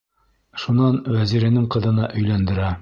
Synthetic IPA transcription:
ʃunɑnwæziɾænɘŋqɤ̆ðɤ̆nɑʔɵ̆jlænd̪ɘ̆ɾæ

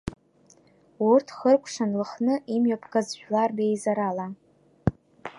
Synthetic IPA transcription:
urtʰχərkʷʰʼʂanlɨχnɨʔimɥapʰkʼazʒᶣlarbejzaɾala

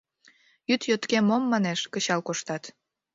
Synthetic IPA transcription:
jyt̪jot̪kemomːɑneʃkət͡ɕɑlkoʃt̪ɑt̪

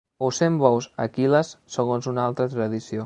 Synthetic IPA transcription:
owsembɔwsəkiləsːəɣonzunalˠt̪ɾət̪ɾəðisio

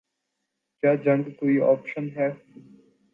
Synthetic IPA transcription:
kjaːd͡ʒɐ̃ŋɡkoːiɔ̰ːpʃənɦɛː

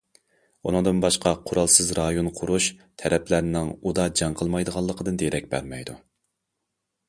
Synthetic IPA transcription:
unɨŋd̪ɨnbɑʃqʰɑqʰʊɾɑlˠsɨzɾɑjonqʰʊɾuʃt̪ʰɛɾɛpʰlæɾnɪŋud̪ɑd͡ʒɑŋqʰəlˠmɑjd̪əʁɑlˠːəqʰəd̪ɨnd̪ejɾɛk̚ʲbæɾmɛjd̪u

